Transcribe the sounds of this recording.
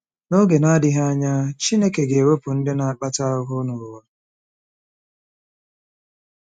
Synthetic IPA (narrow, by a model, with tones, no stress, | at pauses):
no˦ɡe˨na˦dɪ˦ɦa˦ɲa˦t͡ʃi˦ne˦ke˨ɡe˨wo˦pʊ˨n̩˦dɪ˦na˨a˨k͡pa˦ta˦ʊ˦ɦʊ˦nʊ˨wa˨